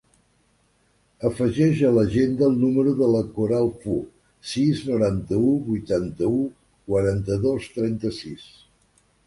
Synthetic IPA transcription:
əfəʒɛʒələʒend̪əːlˠnuməɾuðələkuɾalˠfu | siznuɾant̪əuβujt̪ant̪əu | kwəɾant̪əðost̪ɾɛnt̪əsis

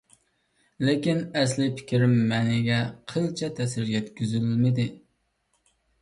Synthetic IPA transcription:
lɪkʲinɛslɪpʰɪ̥kʲʰiɾɪmːɛnɪɡʲɛqʰəlˠt͡ʃʰɛt̪ʰɛsɪɾjʲɛt̪kʲyzylmɪd̪ɪ

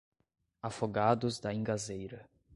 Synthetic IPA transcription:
afoɡad̪ʊzd̪ɐĩŋɡazejɾɐ

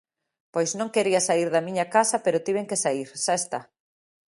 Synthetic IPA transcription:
pojsznõŋkeɾiasaiɾðɐmĩɲɐkasɐpeɾʊt̪iβeŋkesaiɾʃaest̪a

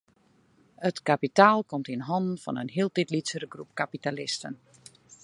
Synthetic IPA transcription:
ətkapitaːlˠkɔmtinɦɔndn̩fɔ̰nə̰nɦiəlˠtitlitsəɾəɡrup̚kapitalɪstən

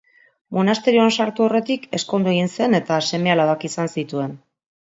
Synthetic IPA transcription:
mo̞nast̪e̞ɾio̞ansaɾt̪uo̞re̞t̪ike̞sko̞nd̪ue̞ɣinse̞ne̞t̪ase̞me̞alaβakisansit̪ue̞n

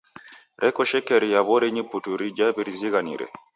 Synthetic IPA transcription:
ɾʔɛkɔʃɛkɛɾijaβɔɾɛɲiputuɾid͡ʒaβiɾiziɣanḭɾɛ̰

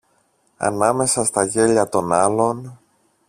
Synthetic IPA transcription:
ɐ̰nɐme̞sɐst̪ɐʝe̞ʎɐt̪o̞nɐlo̞n

